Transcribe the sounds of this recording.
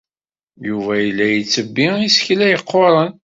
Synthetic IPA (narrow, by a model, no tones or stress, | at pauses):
juvæjəlːæjət͡sːəbːiisçlæjəqːoɾˤən